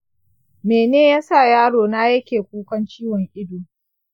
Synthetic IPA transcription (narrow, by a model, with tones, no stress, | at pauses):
meː˨neː˦jaː˦sa˦˨jaː˦ɽoː˨naː˦jɐ˦kʲeː˨kʷuː˦kɐ˦nt͡ʃiː˦wɔ˨ŋʔɪ˦duː˨